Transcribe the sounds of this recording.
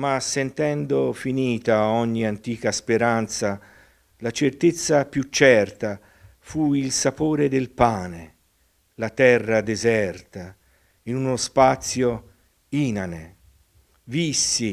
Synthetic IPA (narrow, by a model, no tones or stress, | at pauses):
masːent̪ɛnd̪ofiniːt̪aɔɲːiant̪iːkaspeɾant̪sa | lat͡ʃert̪et̪sːapjut͡ʃːɛrt̪a | fuilsapoːɾed̪elpaːne | lat̪ɛrːad̪ezɛrt̪a | inunospat̪sjo | iːnane | visːi